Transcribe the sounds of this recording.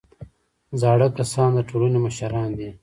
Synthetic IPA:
zɑːɽəkɐsɑ̃ːnd̪əʈʰulunemɐʃɐɾɑ̃ːnd̪i

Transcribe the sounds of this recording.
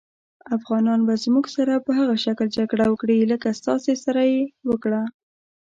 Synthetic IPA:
afɣɑnɑnbazmuɡsaɾapəɦaɣaʃakld͡ʒaɡɽawəkɽiləkast̪ɑsesaɾajewəkɽa

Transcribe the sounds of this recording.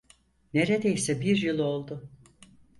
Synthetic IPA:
neɾed̪ejsɛbiɾjɯlˠo̞lˠd̪ʊ

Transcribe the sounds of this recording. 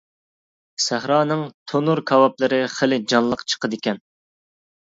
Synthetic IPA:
sæhɾɑːnɨŋt̪ʰonuɾkʰɑwɑp̚lˠɨɾɨχəlɪd͡ʒɑnlˠəqt͡ʃʰə̥qəd̪ɪkʲɛn

